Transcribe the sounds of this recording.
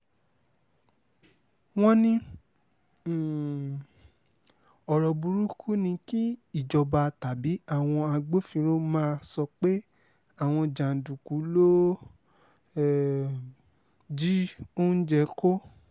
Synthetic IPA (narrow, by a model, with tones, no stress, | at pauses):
w̃ɔ̃˦nĩ˧˨ | ɔ˨ɾɔ˨bu˧ɾu˦kʰu˦nĩ˧ki˦i˦˨d͡ʒɔ˧ba˧ta˨bi˨˦a˦˨w̃ɔ̃˧a˧ɡ͡bo˦fĩ˧ɾo˦mãː˦˧sɔ˧k͡pe˦ | a˦˨w̃ɔ̃˧d͡ʒã˨du˨ku˨˦lo˦˨ | d͡ʒi˦o˦d͡ʒɛ˧˦ko˦